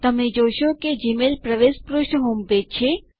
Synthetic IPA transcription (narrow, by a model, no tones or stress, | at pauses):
t̪əmẽd͡ʒoːʃoked͡ʒimelpɾəʋeːspɾuʃɳɦoːmpet͡ʃʰe